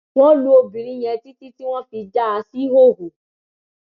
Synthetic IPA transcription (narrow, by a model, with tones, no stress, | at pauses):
w̃ɔ̃˦lu˦o˧bi˨ɾĩ˦j̃ɛ̃˧ti˦ti˦ti˦w̃ɔ̃˦fi˧d͡ʒa˦a˧si˦ɦo˦˨ɦo˨